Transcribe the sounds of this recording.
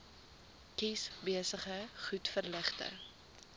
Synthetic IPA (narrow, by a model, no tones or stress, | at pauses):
kisbiəsəχəχutfərləχtə̰